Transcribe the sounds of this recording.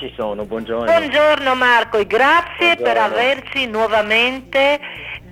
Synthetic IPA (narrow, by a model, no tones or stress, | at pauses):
t͡ʃisoːnobwɔnd͡ʒobwɔnd͡ʒoɾnomarkoeɡɾat̪sːjepeɾaversinwɔvament̪e